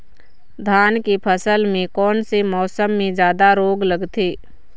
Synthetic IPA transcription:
d̪ʱaːnkipʰəsəlmẽkɔːnsemɔːsəmːẽd͡ʒjaːd̪aɾoːɡləɡt̪ʰiː

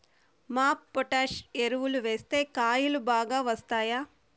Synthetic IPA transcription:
maːpːɔʈaːʃeɾuʋuluʋe̞ːst̪e̞ːkaːjulubaːɡaːʋɐst̪aːjaː

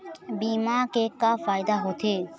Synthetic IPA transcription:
bimakekːafajd̪aɦot̪ʰe

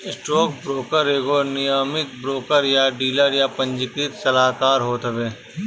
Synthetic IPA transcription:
ɪsʈɾoːk̚bɾoːkəɾeːɡoːnɪjaːmɪt̪̚bɾoːkəɾjaɖiːləɾjapɐ̃ɲd͡ʒɪkɪt̪sɐlaːkaːɾɦoːt̪əʋeː

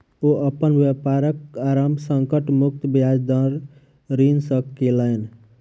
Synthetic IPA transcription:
oʔəpənʋjepaɾəkaɾamsəŋkəʈmuk̚t̪bjad͡ʒd̪əɾ | ɾinsəkkelən

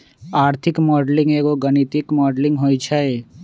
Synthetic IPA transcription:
aːɾt̪ʰɪkmɔːɖlɪ̃ŋɡeːɡoɡənit̪ikmɔːɖlɪ̃ŋɡɦoːit͡ʃʰae

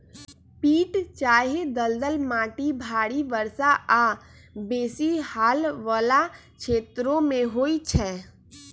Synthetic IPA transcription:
piːʈt͡ʃaːɦed̪əld̪əlmaːʈibʱaːɽiʋəɾsaʔa | beːsihaːlʋəla | kʃʰeːt̪ɾõmẽɦoːit͡ʃʰɛ

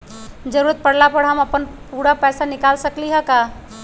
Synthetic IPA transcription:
d͡ʒəɾuɾət̪̚pəɽlapəɽɦəməpənpuɽapɛsanɪkalsəkliɦəka

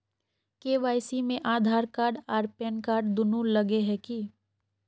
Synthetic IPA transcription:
keːʋaːɪsimẽʔaːd̪ʱaːɾkaːɾɖaːɾpɛːnkaːɾɖd̪ʊnulɐɡeɦɛki

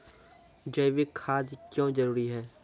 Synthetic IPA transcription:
d͡ʒɐjʋikʰaːd̪kjõːd͡ʒɐɾuːɾiɦɛː

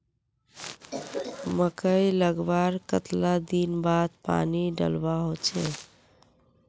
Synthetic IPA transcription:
məkəjləɡbaɾkət̪lad̪inbad̪pa̰niɖə̰lbaɦot͡ʃʰɛ

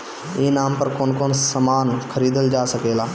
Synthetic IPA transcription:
eːnaːmpɐɾkoːnkoːnsəmaːnkʰəɾiːd̪əld͡ʒaːsəkeːlaː

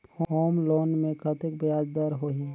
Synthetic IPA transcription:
pʰoːmloːnmẽkʰət̪ɪk̚bjaːd͡ʒd̪əɾɦoɦiɛ

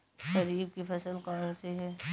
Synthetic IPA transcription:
tɐɾiːb̚kifʰɛsəlkaːnseɦɛː

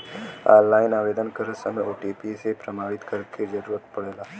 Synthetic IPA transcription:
a̰ːlaːɪnaːʋeːd̪ənkəɾəsəmoːʈipisepɾɐmaːɽɪt̪kəɾked͡ʒəɾuːɾət̪pɐɽeːlaː

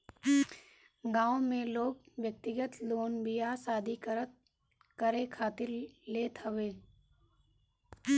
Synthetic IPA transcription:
ɡãːõmẽloːɡ̚ʋjək̚t̪ɪɡət̪loːnbɪjasaːd̪ʱikɾə | kəɾekʰaːt̪ɪɾleːt̪ɦəʋeː

